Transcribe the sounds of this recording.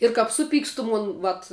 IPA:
ɪr kɐp ˈsʊˌpʲiːkstʊ ˈmoːn ˈʋɐt

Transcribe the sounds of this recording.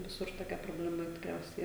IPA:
ʋʲɪˈsʊr toːˈkʲɛ proːbʲlʲɛˈmɐ tʲɪkˈrʲɛʊsʲɛɪ

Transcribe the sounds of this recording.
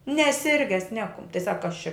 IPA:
nʲɛˈsʲɪrʲɡʲɛs ˈnʲæːkʊm tɐɪ sɐk kɐs t͡ʃʲɛ

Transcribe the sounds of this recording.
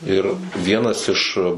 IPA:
ˈɪr ˈʋʲiɛnɐs ɪʃ

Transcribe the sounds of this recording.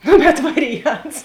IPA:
ˈnʊ bʲɛt ˈʋɑːrʲɪˌjɛnts

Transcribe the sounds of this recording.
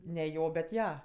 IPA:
nʲɛ ˈjoː bʲɛt ˈjɛ

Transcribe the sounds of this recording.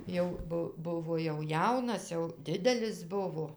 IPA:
ˈjɛʊ ˈbʊ ˈbʊʋoː jɛʊ ˈjɛʊnɐs jɛʊ ˈdʲɪdʲɛlʲɪs ˈbʊʋoː

